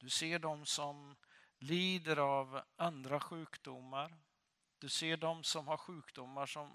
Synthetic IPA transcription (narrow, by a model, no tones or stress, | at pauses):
d̪̥ɵseːɖɔmsɔm | liːd̪əɾavand̪ɾaɧʉ̟ːkd̪ʊmːaɾ | d̪̥ɵseːɖɔmsɔmhaɾɧʉ̟ːkd̪ʊmːaʂɔm